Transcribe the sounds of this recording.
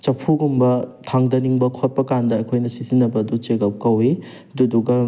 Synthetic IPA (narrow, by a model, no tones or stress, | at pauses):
t͡ʃɐpʰuɡumbɐtʰaŋdɐniŋbɐkʰot̚pɐkandɐːkʰojnɐsitʰinːɐbɐdut͡ʃeɡɐp̚kɐwi | duduɡɐ